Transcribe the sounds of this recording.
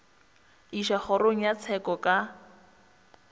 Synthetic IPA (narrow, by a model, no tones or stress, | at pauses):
iʃaχʊroŋ̩jat͡sʰɛkɔkʼa